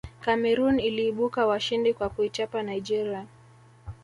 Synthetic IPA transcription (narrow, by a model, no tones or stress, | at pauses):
kamɛɾuniliːɓukawaʃindikwakuit͡ʃapanaid͡ʒɛɾia